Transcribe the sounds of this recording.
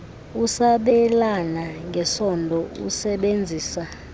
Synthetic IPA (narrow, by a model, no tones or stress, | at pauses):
usaɓɛlanaŋɡʱɛsɔndʱɔṵsɛɓend͡zʱiːsa